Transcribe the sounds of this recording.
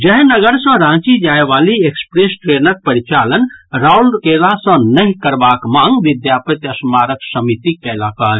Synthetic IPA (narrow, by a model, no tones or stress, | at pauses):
d͡ʒəɦnəɡəɾsə̃ɾãt͡ʃid͡ʒaeʋaliekspɾesʈɾenək̚pəɾit͡ʃalənɾaulkelasə̃nəɦikəɾbakmãŋɡʋid̪japət̪əsmaɾəksəmit̪ikɛlakaɾ